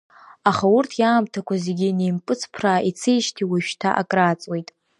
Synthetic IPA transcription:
aχaurtʰjaːmtʰakʷʰazeɡʲinejmpʼɨt͡sʰpʰrait͡sʰɨjʃtʰiwiʃᶣtʰa̰ʔa̰kʼrat͡sʼwejtʼ

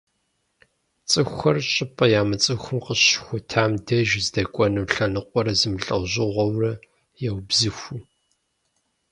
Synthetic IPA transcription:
t͡sʼɨxʷɐrɕʼɪpʼɐjaːmɨt͡sʼɨxʷʊmqəɕxʷʊtʰaːmdɐʒzdɐkʷʼɔnɨːɬɐnɨqʷʼɔɾɐzɨmɬʼɐwʑɪʁʷɔwrɐ | jɛwbzɨxʷu

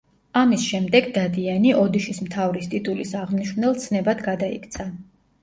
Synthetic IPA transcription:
amisʃɛmd̪ɛɡd̪ad̪ianiʔɔd̪iʃismt̪ʰavɾist̪ʼit̪ʼulisaʁmniʃvnɛlˠt̪sʰnɛbad̪ɡad̪aḭkʰt̪sʰa

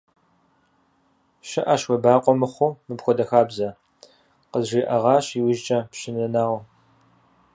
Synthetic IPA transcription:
ʃɪʔɐʃxʷɔbaːqʷɔmɨχʷʊmɨpxʷɔdɐxaːbzɐ | qəzʒiːʔɐʁɑːɕiːwɪʒt͡ʃʼɐpɕɪnɐnaːʁɐ

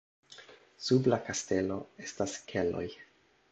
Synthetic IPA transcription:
sublakaste̞lo̞e̞staskʰe̞lo̞̰j

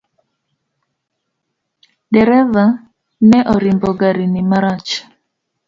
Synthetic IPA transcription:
dɛɾɛva | nɛʔɔɾimbɔɡaɾinimaɾat͡ʃ

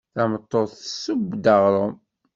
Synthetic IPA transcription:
θæmət̪ˤːoθsːəbd̪əʁɾˤom

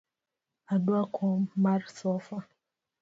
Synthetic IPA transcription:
adʊakʰɔmaɾsɔfa

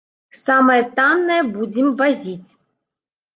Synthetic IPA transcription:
samɐjɛt̪anːɐjɛbud͡zʲɪmvɐzʲit͡sʲ

